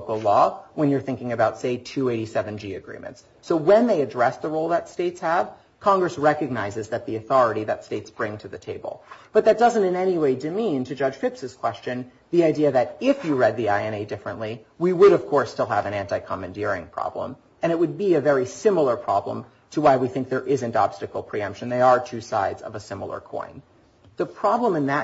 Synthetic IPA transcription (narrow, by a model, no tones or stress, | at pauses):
kl̩ˠlɔwə̃njə˞θɪ̃ŋkɪ̃ŋɨbaʊtseɪtʰʉeɪɾisɛvɨ̃n̩d͡ʒiɨɡɹḭ̃mɨ̰̃nts | soʊwɨ̃nðeɪɨdɹɛsðəɹoʊlˠðətsteɪtshəv̥ | kʰɑ̃ŋɡɹɨsɹɛkɨɡ̚naɪzɨzðɨt̪̚ðiɨθɔɹɨɾiðɨtsteɪtsb̥ɹɪ̃ŋtʰɨðɨtʰeɪb̰l̩ˠb̥ʌt̪̚ðɨt̚d̥ʌzɨ̃ntɨ̃nɛniweɪdɨmĩntʰɨd͡ʒʌ̥ʒ̥fɪpsɨz̥kʰw̥ɛst͡ʃɨ̃n | ðiaɪdiɨðɨɾɪfjɨɹɛd̪̚ðiaɪɛ̃ñeɪdɪfɹɨ̰̃nʔli | wiwəɾʌv̥kʰɔɹstɪlˠə̰vɨ̃ñæ̃ntaɪkʰɑmɨ̃ndɪɹɪ̰̃ŋpʰɹ̥ɑ̰b̥lə̰̃m | ɨ̃ɾ̃ɨt̚wɨd̚biɨvɛɹisɪ̃ml̩ˠə˞pʰɹ̥ɑblə̰̃m | tʰəwaɪwiθɪ̃ŋk̚ðə˞ʔɪzɨ̃ntɑb̥stɨkl̩ˠpʰɹ̥iʌ̃mpʃɨ̃n̩ðeɪə˞tʰʉsaɪdzʌ̰vəsɪ̃ml̩ˠə̰˞kʰɔ̰̃ɪ̃n | ðəpʰɹ̥ɑblə̃mɨ̃nðɨ